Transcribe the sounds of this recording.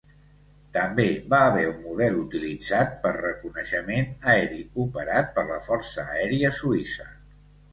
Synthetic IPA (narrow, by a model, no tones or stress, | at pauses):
t̪əmbeβaəːβɛummuðɛlut̪ilid͡zat̪̚pərrəkunəʃəmenəɛɾiupəɾat̪̚pəɾləfɔrsəːɛɾiəsuisə